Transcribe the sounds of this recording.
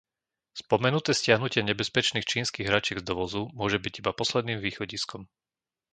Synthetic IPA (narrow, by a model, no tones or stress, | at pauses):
spɔmɛnut̪ɛːscɪaɦnucɪɛɲɛbɛspɛt͡ʃniːxt͡ʃiːnskiːɣɦɾat͡ʃɪɛɡzd̪ɔʋɔzumʊɔʒɛbiɟibapɔslɛd̪niːmʋiːxɔɟiskɔm